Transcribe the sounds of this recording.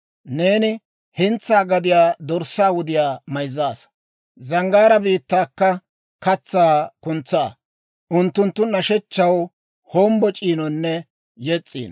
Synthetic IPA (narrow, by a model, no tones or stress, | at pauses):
ne̞ːnɪ | hɪnt͡sːaːɡɐd̪ɪjaːd̪ɔɾsːaːwʊd̪ɪjaːmɐjzːaːs | zɐŋɡaːɾɐbiːt̪ːaːkːɐ | kɐt͡sːaːkʊnt͡sːaː | ʔʊnt̪ːʊnt̪ːʊnɐʃɛt͡ʃːɐw | hoːmbɔt͡ʃʼiːnɔnːɛ | jɛt͡sʼːḭːn